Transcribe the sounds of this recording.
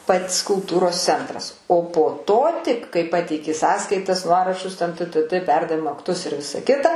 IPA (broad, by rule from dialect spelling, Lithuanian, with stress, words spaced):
ˈpɐtʲs kʊlˠˈtuːroːs ˈt͡sʲɛntrɐs oː poː ˈtoː tʲɪk kɐɪ ˈpɑːtʲɛɪkʲɪ ˈsɑːskɐɪtɐs ˈnuɔrɐʃʊs tʲɛn tɘ tɘ tɘ ˈpʲɛrdɐʋʲɪmoː ɐkˈtʊs ɪr ˈʋʲɪsɐ ˈkʲɪtɐ